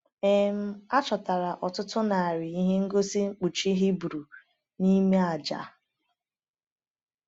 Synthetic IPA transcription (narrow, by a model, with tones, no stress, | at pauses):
e˨m̩˦a˦t͡ʃɔ˨ta˨ɾa˨ʔɔ˨tʊ˦tʊ˦na˨a˨ɾɪ˨i˦ɦe˦ŋ̩˦ɡo˦si˦ŋ͡m̩˦k͡pu˨t͡ʃi˦ɦi˦bɾu˨ | ni˦me˦a˨d͡ʒa̰˨